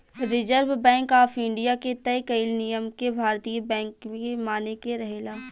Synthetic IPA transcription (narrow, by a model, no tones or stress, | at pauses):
ɾɪzəɾʋbɛ̃ːŋkaːfɪ̃ɳɖijaket̪ɛkɐɪlnijəmkebʱaːɾt̪ijəbɛ̃ːŋkemaːnekeɾɐɦeːlaː